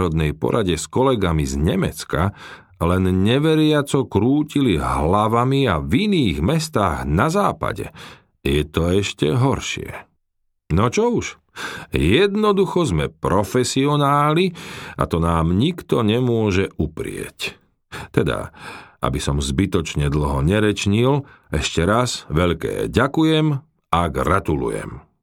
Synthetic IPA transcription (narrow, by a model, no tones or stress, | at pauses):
ɾɔd̪nɛjpɔ̰ɾʔaɟɛskɔlɛɡamizɲɛmɛ̰t͡ska | lɛnɲɛʋɛɾɪat͡sɔkɾuːciliɦlaʋamiaviniːɣmɛst̪aːɣnazaːpa̰ɟɛ̰ | jɛt̪ɔɛʃcɛ̰ɦɔɾʃɪɛ̰ | nɔt͡ʃɔuʃ | jɛd̪nɔd̪uxɔzmɛpɾɔfɛsiɔnaːlia̰t̪ɔnaːmɲikt̪ɔɲɛmʊɔʒɛupɾɪɛ̰c | t̪ɛd̪a̰ʔa̰bisɔmzbit̪ɔt͡ʃɲɛd̪l̩ɦɔɲɛɾɛt͡ʃɲil | ɛʃcɛɾazʋɛʎkɛ̰ːɟakujɛm | aɡɾat̪ulṵjɛ̰m